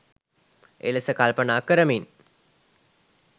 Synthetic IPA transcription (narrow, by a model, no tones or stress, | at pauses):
ʔḛləsəkalpənaːkəɾəmin